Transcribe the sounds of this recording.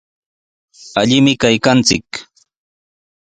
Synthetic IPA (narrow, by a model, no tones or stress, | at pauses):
aʎɪmɪkajkant͡sɪ̰k